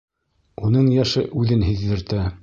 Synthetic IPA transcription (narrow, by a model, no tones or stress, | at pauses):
unɤɴjæʃɤʔʉðɘnɦiðːɘ̆ɾt̪æ